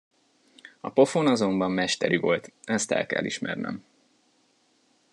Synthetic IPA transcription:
ɒpo̞fonɒzo̞mbɒmːmɛʃt̪ɛɾyvo̞lt̪ɛst̪ɛ̰lkɛ̰lːiʃmɛrnɛ̰m

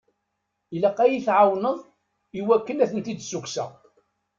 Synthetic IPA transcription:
ilæqːæjiθʕawnəðˤ | iwækːənæθənt̪id̪suksæ̰

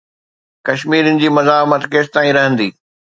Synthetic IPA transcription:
kɐʃmiːɾənɪ̆d͡ʑiːmɐzaːɦmət̪keːst̪aːĩɾɐɦə̃nd̪iː

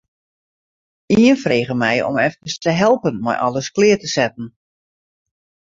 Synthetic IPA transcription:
iənfreːɣəmɛjɔ̰mɛftkəstəɦɛlˠpənmɛ̰jʔɔ̰ləsklɪːtəsɛt̚n̩

